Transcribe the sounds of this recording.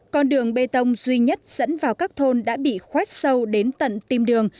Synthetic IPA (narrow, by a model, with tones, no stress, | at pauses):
kɔ˧nɗɨ˨˩əŋɓe˧t̪ə˧wŋ͡mzwi˧ɲə˦˥t̚z̥ə̰˧˥nvaː˨˩wkaː˦˥k̚t̪ʰo˧nɗa̰ː˧˥ɓḭ˧˨xwɛ˦˥t̚sə˧wɗe˨˦nt̪ə̰˧˨nt̪i˧mɗɨ˨˩əŋ